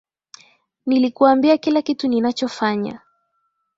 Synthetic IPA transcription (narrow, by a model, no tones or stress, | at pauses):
nilikuambiakilakituninat͡ʃɔfaɲa̰